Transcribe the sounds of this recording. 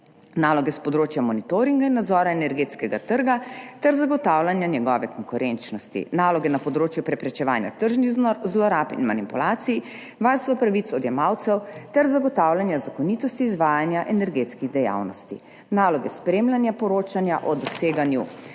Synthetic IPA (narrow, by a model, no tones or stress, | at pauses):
naːlɔɡɛspɔd̪ɾoːt͡ʃjamɔnit̪oɾiŋɡainːad̪zɔːɾaɛnɛɾɡeːt̪skɛɡat̪əɾɡat̪ɛɾzaɡɔt̪aːwlanjanjɛɡɔːʋɛkɔŋkuɾʔɛnt͡ʃnɔst̪ḭnaːlɔɡɛnapɔd̪ɾoːt͡ʃjupɾɛpɾɛt͡ʃɛʋaːnja̰t̪əɾʒniznɔɾzlɔɾaːpḭnmanipulaːt̪siji | ʋaːɾst̪ʋɔpɾaʋit̪sɔd̪jɛmawt̪sɛwt̪ɛɾzaɡɔt̪aːwlanjazakɔniːt̪ɔst̪iːzʋaːjanjaʔɛnɛɾɡeːt̪skiɣd̪ɛja̰wnɔ̰st̪ḭ | naːlɔɡɛspɾeːmlanjapɔɾoːt͡ʃanjaʔɔd̪ɔseːɡanju